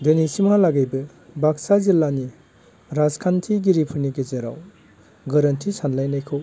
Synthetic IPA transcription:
denisimalaɡejbɯ | baksazilːani | ɾazkʰantʰiɡiɾipʰɯɾniɡezeɾa̰w | ɡɐɾɐntʰisanlajnajkʰɯw

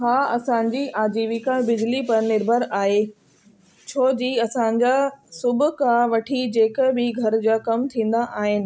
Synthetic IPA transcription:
ɦaːɐsãːɲd͡ʑiːʔaːd͡ʑiːʋikãbɪd͡ʑlipɐɾnɪɾbʱəɾaːɦe | t͡ɕʰoːd͡ʑiɐsãɲ̆d͡ʑaːsʊbʱʊ̆kãʋɐʈʰid͡ʑeːkbɪɡʱɐɾd͡ʑaːkɐmt̪ʰĩːn̆d̪aʔaːɦɪnɪ̆

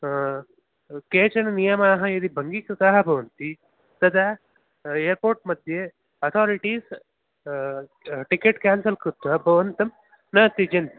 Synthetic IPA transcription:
keːt͡ʃɐnɐnijɐmaːɦɐ̃id̪ibʱɐŋɡikɾɨt̪aːɦɐbʱɐʋɐnt̪i | t̪ɐd̪ɐ | eːɾpoːɾʈmɐd̪ʱje | ɐt̪ʰaːɾiʈiːs | ʈikeʈkaːnsɐlkɾut̪ʋɐbʱɐʋɐnt̪ɐm | nɐt̪id͡ʒent̪i

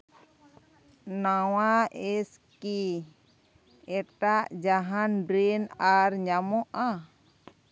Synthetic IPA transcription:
nawaʔɛs | ki | ɛʈaʔd͡ʒaɦanbɾinarɲamɔʔa

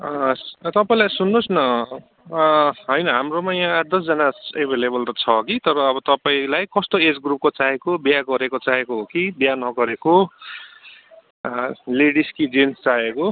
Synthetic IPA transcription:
t̪ʌpaĩlajsunːosnʌ | ɦʌjnʌɦamromajãd̪ʌs̬d͡zʌnaebʱelebʌlt̪ʌt͡sʰʌkit̪ʌɾʌːbʌt̪ʌpaĩlajkʌst̪oed͡zɡrup̚kot͡saɦekobjaɡʌɾekot͡saɦekoɦokibjanʌɡʌɾeko | leɽiskid͡zenst͡saɦeko

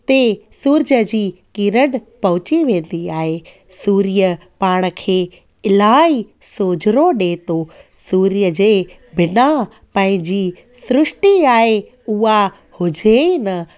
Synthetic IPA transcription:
t̪esuːɾd͡ʑəd͡ʑiːkiːɾəɽ | pɐɦʊt͡ɕiʋẽːn̆d̪iaːɦe | suːɾijə | paːɽ̃ə̆kʰeː | ɪlaːi | soːd͡ʑɪɾoɗeːt̪o | suːɾijəd͡ʑeː | bɪna | pɐ̃ɦɪ̃ɲd͡ʑiː | sʊɾʊʂʈiaːɦe | ʊɦa | hʊd͡ʑʱenɐ

